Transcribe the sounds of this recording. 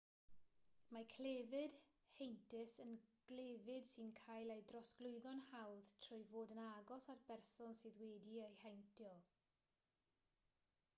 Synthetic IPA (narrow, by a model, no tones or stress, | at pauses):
makʰlevɪd̥ | hejntʰɪsənɡ̥lˠevɪd̥sɨnkʰaːjlˠejdrɔsɡ̥lˠʊɨðɔnhawð̥tʰr̥ʊjvoːdənaɡɔsatb̥ɛrsɔnsɨðweːdiejhajntʰjɔlˠ